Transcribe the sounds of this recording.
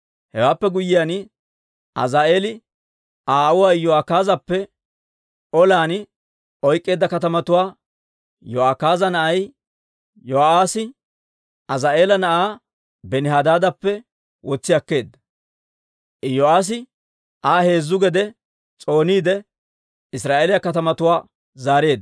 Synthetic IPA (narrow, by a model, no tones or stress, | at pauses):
hɛwaːpːɛɡʊjɪjaːn | ʔɐ̰zaːʔeːlɪ | aːʔʊwaːjɔakaːzɐpːɛ | ɔlaːnɪ | ɔjkʼːe̞ːd̪ːɐkɐt̪ɐmɐt̪ʊwaː | jɔʔakaːzɐnɐʔɐj | jɔaːsɪ | ʔɐzaːʔe̞ːlɐnɐʔaː | bɛnɪɦaːd̪aːd̪ɐpːɛ | wɔt͡sːɪjɐkːe̞ːd̪ːɐ | ʔɪjɔaːs̬ɪ | ʔaːhe̞ːzːʊɡɛd̪ɛ | t͡sʼo̞ːniːd̪ɛ | ɪsɾaːʔeːlɪjɐkɐt̪ɐmɐt̪ʊwaː | zaːɾe̞ːd̪